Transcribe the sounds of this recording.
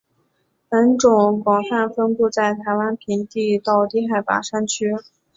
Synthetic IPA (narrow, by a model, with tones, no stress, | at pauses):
pə˧˥nʈ͡ʂʊ˨˩ŋkwɑ˨˩ŋfa˥˩nfə˥npu˥˧t͡sa˥˩ɪt̪ʰa˧˥ɪwa˥npʰi˧˥ŋt̪i˥˧t̪ɑ˥˩ʊt̪i˥xa˥˩ɪpa̰˨˩ʂa˥nt͡ɕʰy˥